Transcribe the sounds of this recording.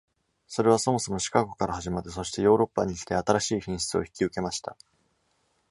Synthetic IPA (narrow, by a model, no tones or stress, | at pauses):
so̞ɾe̞β̞aso̞mo̞so̞mo̞ɕi̥kaɡo̞kaɾaɦaʑimat̪ːeso̞ɕi̥t̪e̞jo̞ːɾo̞pːa̰ɲ̟içi̥t̪e̞at̪aɾaɕiːçĩɰ̃ɕi̥t͡sɨo̞̰çi̥kʲiɯ̟ke̞maɕi̥t̪a̰